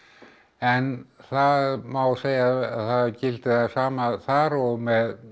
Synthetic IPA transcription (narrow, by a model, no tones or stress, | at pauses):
ɛnθaðmawseːjaθaðcɪlt̪ɪθasaːmaθaːɾɔmɛð